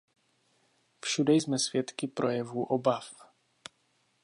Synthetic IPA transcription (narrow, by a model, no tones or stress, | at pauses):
fʃudɛjzmɛsvjɛt̪kɪpɾʔojɛvuːʔobaf